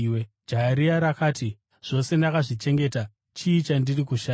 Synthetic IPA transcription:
d͡ʒaɾiaɾakaːti | ʐ̥o̞se̞ndakaʐit͡ʃe̞ŋɡe̞ːta | t͡ʃiːt͡ʃandirikuʃa

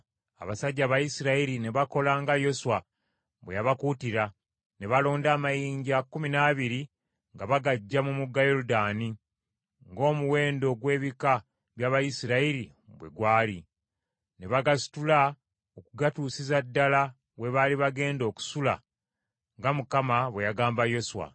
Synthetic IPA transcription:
a̰βasaɟːaːβajisiɾaiɾine̞βako̞laŋɡajo̞swa | bwejaβakutiɾa | ne̞βalo̞ːndaːmajiːɲɟakːuminaβiɾi | ŋɡaβaɡaɟːamumuɡːajo̞ɾudaːni | ŋɡo̞ːmuwe̞ːndo̞ɡwe̞ːβika | βjaβajisiɾaiɾi | βwe̞̰ɡwaːli | ne̞βaɡasi̥tula | okuɡatusizadːala | we̞βaliβaɡe̞ːndo̞ːku̥sula̰ | ŋɡamukamaβwe̞jaɡaːmbajo̞suwa̰

